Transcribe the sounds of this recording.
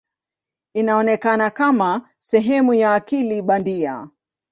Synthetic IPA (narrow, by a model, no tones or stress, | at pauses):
inaɔnɛkanakama | sɛɦɛmujaːkiliɓandia̰